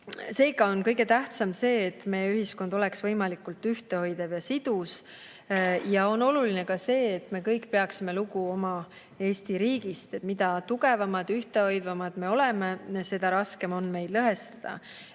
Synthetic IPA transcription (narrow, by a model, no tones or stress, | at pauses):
se̞ːɡ̥ɑo̞nkɤjɡe̞t̪æht̪sɑmse̞ːt̪ːme̞jeyɦisko̞nd̪̥o̞leksvɤjmɑlikːˑult̪ːyht̪e̞ho̞jd̪̥evjɑsid̪̥us | jɑo̞no̞luline̞kɑse̞ːt̪me̞kɤjkːˑpe̞ɑksime̞luɡuo̞mɑ | e̞ːst̪iɾiːɡ̥ist̪et̪mid̪ɑt̪uɡe̞vɑmɑd̪̥yht̪e̞o̞jd̪̥vɑmɑd̪̥me̞o̞le̞mese̞d̪ɑɾɑske̞mo̞nːme̞jd̪̥lɤɦe̞st̪ɑd̪̥ɑ̰